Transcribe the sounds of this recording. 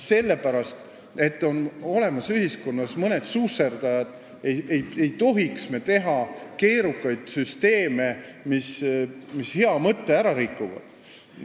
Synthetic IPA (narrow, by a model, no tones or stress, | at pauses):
se̞lːe̞pæɾɑst̪ | e̞t̪ːˑo̞no̞le̞mɑsyɦisko̞nːɑsmɤne̞d̪̥suːserd̪ɑjɑd̪̥ | ejejejt̪o̞ɦiksmet̪e̞ɦɑke̞ːɾukːˑɑjd̪̥syst̪e̞ːme̞mismishe̞ɑmɤt̪ːe̞æɾɑɾikːˑuvɑ̰d̪̥